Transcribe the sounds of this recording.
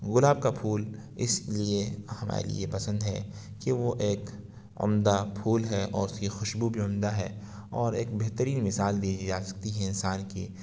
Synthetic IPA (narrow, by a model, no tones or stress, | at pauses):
ɣʊlaːb̚kapʰuːl | ɪsliehɐma̰ːɾḛlḭepɐsə̃nd̪ɦɛ̰ | keʋoʔeːk | ʊ̰md̪apʰuːlɦɛʔɔ̰ːɾʊskixʊʃbubʱiʊmd̪aɦɛ̰ː | ɔːɾeːk̚beɦt̪əɾiːnmɪsaːld̪iːd͡ʒid͡ʒaːsɐ̥k̚t̪iɦɛɪ̃nsaːnkiː